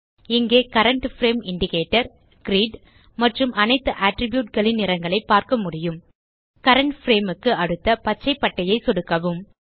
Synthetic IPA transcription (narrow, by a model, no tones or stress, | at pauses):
ɪŋɡeːkɐɾɐɳʈfɾeːmɪɳɖɪkeːʈːɐɾ | ɡɾiːɖ | mɐʈrɯmʔɐnɐɪt̪ːɯʔaːʈɾɪbjuːʈ̚ɡɐɭɪnːɪɾɐŋɡɐɭɐɪpːaːɾkɐmʊɽɪjɯm | kɐɾɐɳʈfɾeːmɯkːɯɐɽɯt̪ːɐpɐt͡ʃːɐɪpːɐʈːɐjɐɪsɔɽɯkːɐʋɯm